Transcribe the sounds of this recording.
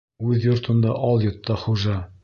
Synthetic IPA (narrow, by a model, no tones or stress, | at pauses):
ʉðjŏɾt̪ʰɤ̆nd̪ɑʔɑlˠjŏt̪ːɑχuʒɑ